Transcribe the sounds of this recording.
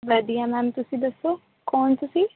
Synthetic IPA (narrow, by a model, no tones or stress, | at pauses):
ʋɐd̪ijɐmamt̪usid̪ɐso | koːɳt̪usi